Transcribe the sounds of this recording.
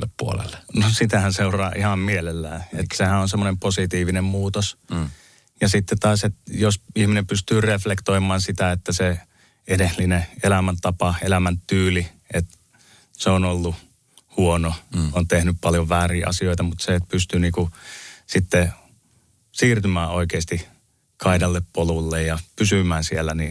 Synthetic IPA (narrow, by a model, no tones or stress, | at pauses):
lːeppuo̰lḛlːnosit̪æhænseurɑːʔihɑmmielelːæ̰ːḛt̪ːsehæonsemːonemposit̪iːʋinemmuːt̪os | jɑsit̪ːet̪ɑːset̪josihminempyst̪yːreflekt̪oimɑːnsit̪æet̪ːæse | edelineelæmænt̪ɑpɑelæmænt̪yːli | et̪ | seonolːu | huonoont̪ehnyppɑljoʋʋæːriːʔɑ̰sioit̪ɑmut̪set̪pyst̪yniːkusit̪ːe | siːrt̪ymæːoikeːst̪i | kʰɑidɑlːeppolulːejjɑpysymæːnsielːˑæni